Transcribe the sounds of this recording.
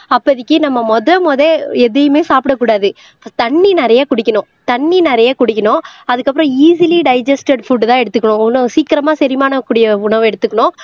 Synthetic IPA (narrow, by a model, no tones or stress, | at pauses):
ɐpːɐðɪkːɯnɐmːɐmɔðɐmoːðeɛðɐjɐmeːsaːpɪɽɐkːuːɽaːðɯ | t̪ɐɳːinɛɾɐjakʊɽɪkʲːɐnʊ̃ | t̪ɐɳːinɛɾɐjakʊɽɪkʲːɐnʊ̃ɐðɯkːɐpːɯɾɔ̃iːsɪliɖɐɪd͡ʒɐsʈɐɖfuɖt̪ãːɛɽɯt̪ːɯkːɐɳʊ̃ʊnɐsiːkɪɾɐmaːsɛɾɪmaːnɐkːuːɽɪjɐʊɳɐʋ̃ɛɽɯt̪ːɯkːɐɳʊ̃